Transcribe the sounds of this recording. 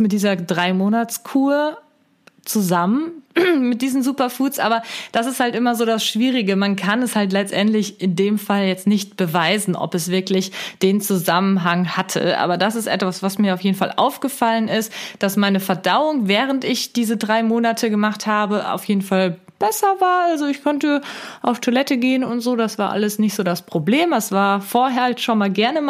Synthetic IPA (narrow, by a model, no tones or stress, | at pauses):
mɪt̚d̥iːzɐdʁaɪmoːnat͡skʰuːɐ | t͡suzamənmɪt̚d̥iːzn̩zuːpɐfuːsʔa̰ːbɐd̥as̬ɪsthaltʔɪmɐzoːdasʃv̥iːʁ̞ɪɡəmankʰanɛshalt̬lɛt͡stʔɛntlɪçʔɪndeːmfaljɛt͡stnɪçt̚b̥əvaɪzn̩ʔɔ̰pɛsv̥ɪɐklɪçd̥eːnt͡suzamənɦaŋhatʰə̰ʔa̰ːbɐdasɪstʔɛ̰tv̥asv̥asmiːɐaʊfjeːdn̩fa̰lʔa̰ʊfɡ̥əfalənɪstd̥asmaɪnəfɛɐdaʊʊŋvɛːʁ̞əntɪçd̥iːzədʁaɪmoːnatʰəɡəmaχthaːbəʔa̰ʊfjeːdn̩fal | b̥ɛsɐvaːɐʔalzoɪçkʰɔntəʔaʊftʰolɛtəɡeːənʊntz̥oːdasv̥aːɐʔa̰ləsnɪçtz̥oːdaspʁ̥obleːmdasv̥aːɐfoːɐɦɛːɐhatʃonmaːlɡɛɐnəm